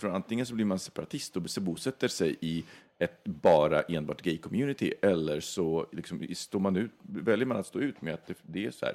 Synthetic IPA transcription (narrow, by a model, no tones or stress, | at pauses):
fœɔɾant̪ɪŋːəns̬ɔbliɾmansɛ̥paɾat̪ʰɪst̪ɔsɛbuːsɛt̪ːəʂɛjʔɪ | ɛt̪bɑːɾaʔeːnbɑ̰ːʈɡɛjkʰɔmjʉ̟ːnɪt̪ʰɪ̰ʔɛlːəɾʂɔlɪksɔmst̪oːɾmanʉ̟ːt̪vɛljəɾmanat̪st̪oːʉ̟ːt̪mɛat̪̚d̪ɛd̪ɛæsɔhæ̰ːɾ